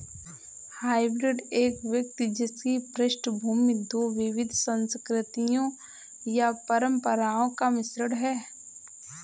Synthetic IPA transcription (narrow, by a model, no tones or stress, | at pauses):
haːɪbɾɪɖeːkʋjək̚t̪id͡ʒɪskipɾɪʃnbʱuːmɪd̪oːʋɪʋɪd̪ʱsə̃nskɾɪt̪ijõ | japəɾə̃mpəɾaːõkamɪsɾəɽɦɛː